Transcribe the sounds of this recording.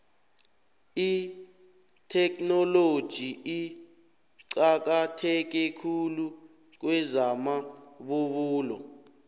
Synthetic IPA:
i | tʰɛknɔlod̥ʒ̥ʱii | ǀak̬atʰɛk̬ɛkʰulu | k̬wɛzamaɓuɓuːlɔ̰

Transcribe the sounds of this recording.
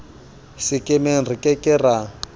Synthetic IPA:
sɪkʼɪmeŋ̩rikʼɛkʼɪra

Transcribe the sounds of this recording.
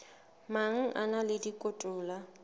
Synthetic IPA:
maŋ̩ʔa̰nalɪdikʼotʼʊːla

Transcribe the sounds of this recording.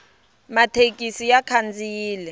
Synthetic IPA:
matʰekʼisijakʰand͡zijiːlɛ

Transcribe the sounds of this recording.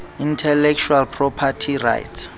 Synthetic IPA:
intʰɛlɛk̚t͡ʃʰualpʰrɔpʰatʰira̰jts

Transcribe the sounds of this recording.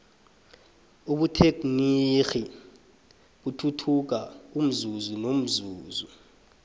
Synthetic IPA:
uɓutʰek̬nixi | ɓutʰutʰuk̬aum̩zuzunom̩zuːzu

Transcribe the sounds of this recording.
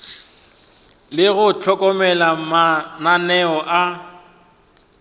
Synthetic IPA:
lɪɣʊt͡ɬʰɔkʼɔmɛlamananɛɔʔa

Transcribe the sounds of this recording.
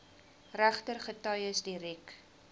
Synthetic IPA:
ræχtərχətɐjəsdiɾik

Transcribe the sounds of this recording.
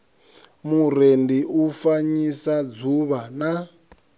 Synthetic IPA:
mur̤endiʔufaɲisad͡zuβana

